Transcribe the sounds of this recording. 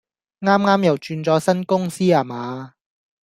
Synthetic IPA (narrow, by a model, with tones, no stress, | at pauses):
ŋaː˥mŋaː˥mjɐ˨wt͡ʃyː˧nt͡sɔː˨˥sɐ˥nkʊ˥ŋsiː˥aː˨maː˨˧